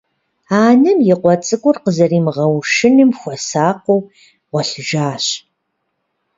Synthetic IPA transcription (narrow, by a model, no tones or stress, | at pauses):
aːnɐmjɪqʷɔt͡sʼɨɡʷʼʊrqəzɐriːmʁɐwʃɪnɨmxʷɔsaːqʷow | ʁʷɔɬɨʒaːɕ